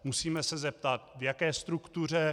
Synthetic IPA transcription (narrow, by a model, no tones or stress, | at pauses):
musiːmɛsɛzɛp̚t̪at̪vjakɛːst̪ɾukt̪ur̝ɛ